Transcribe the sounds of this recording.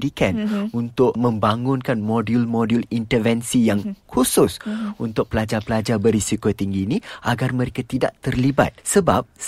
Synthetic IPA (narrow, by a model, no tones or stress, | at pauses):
dikɛnunt̪ʊkmə̃mbaŋʊnkanmodulmodulint̪ərvɛnsijaŋkʰusʊsunt̪ʊk̚pəlad͡ʒapəlad͡ʒabərisikot̪iŋɡiːnĩʔa̰ɡarmə̃ɾekat̪ida̰ʔt̪ərliba̰t̪̚səbap̚